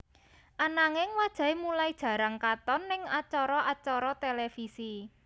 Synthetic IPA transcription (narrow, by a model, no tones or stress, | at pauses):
ʔanaŋɪŋwad̥ʒ̥a̤emulaid̥ʒ̥a̤ɾaŋkat̪ɔnːɪŋat͡ʃɔɾɔat͡ʃɔɾɔt̪elefisi